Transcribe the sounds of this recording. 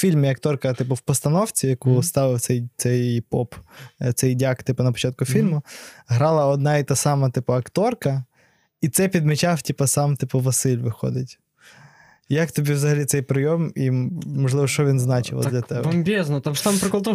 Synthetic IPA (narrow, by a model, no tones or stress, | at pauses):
fʲilʲmɪɐkt̪ɔrkɐt̪ɪpʊwpɔst̪ɐnɔwt͡sʲijɐkust̪ɑʋɪwt̪sɛjt̪sɛjpɔptsɛjdʲɑkt̪ɪpʊnɐpɔ̥t͡ʃɑt̪̚kʊfʲilʲmʊɦɾɑlˠɐɔd̪̚nɑit̪ɑsɑmɐt̪ɪpʊɐkt̪ɔrkɐ | it̪sɛpʲid̪met͡ʃɑftʲipɐsɑmt̪ɪpʊʋɐsɪlʲʋɪxɔ̰d̪ɪtʲ | jɐkt̪ɔbʲiwzɐɦɐlʲit̪sɛjpɾɪjɔmimɔʒlˠɪʋɔʃt͡ʃɔʋʲinznɑt͡ʃɪ̰ʋɐ̰dlʲɐt̪ɛbmbʲɛznɔt̪ɐt̪ampɾɪklˠt̪ɔ